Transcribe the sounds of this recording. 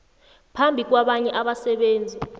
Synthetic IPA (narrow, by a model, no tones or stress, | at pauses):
pʰambʱik̬waɓaɲɛʔaɓasɛɓeːnd͡zʱi